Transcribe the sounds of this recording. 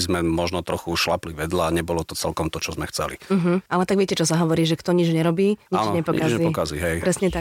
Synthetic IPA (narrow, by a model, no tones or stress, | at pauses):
zmɛmɔʒnɔt̪ɾɔxuʃlapliʋɛd̪laːɲɛbɔlɔt̪ɔt͡sɛlkɔmt̪ɔt͡ʃɔzmɛxt͡sɛ̰liɦm̩alɛt̪aɡʋɪɛcɛt͡ʃɔsaɦɔʋɔɾiːʒɛkt̪ɔɲid͡ʒɲɛɾɔbiːɲianɲɛpɔkazɛiːɔkazḭɦɛjpɾɛsɲɛt̪a